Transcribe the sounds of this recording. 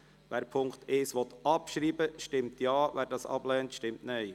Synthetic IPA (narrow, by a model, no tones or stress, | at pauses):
ʋæːɾpʰʊŋkt̪ɪːsʋɔt̪ɑpʃɾiːbəʃtɪmtʰjɑːʋæːɾdɑːsɑ̰b̥lɛːntʃtɪmtnɛj